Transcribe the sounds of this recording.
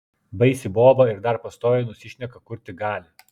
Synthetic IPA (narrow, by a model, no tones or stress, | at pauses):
bɐɪsʲɪboːbɐɪɾd̪ɐɾpɐst̪oːjɛnʊsʲɪʃʲnʲɛkɐkʊɾʲt̪ʲɪɡɑːlʲɪ